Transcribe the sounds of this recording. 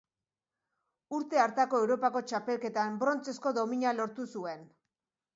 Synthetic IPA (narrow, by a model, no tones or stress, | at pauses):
uɾt̪e̞aɾt̪ako̞e̞wɾo̞pako̞t͡ʃape̞lke̞t̪ambɾo̞nt͡se̞sko̞ðo̞miɲalo̞ɾt̪usue̞n